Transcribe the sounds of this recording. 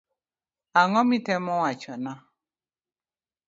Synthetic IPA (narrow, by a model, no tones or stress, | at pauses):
aŋɔmitɛmɔwat͡ʃɔna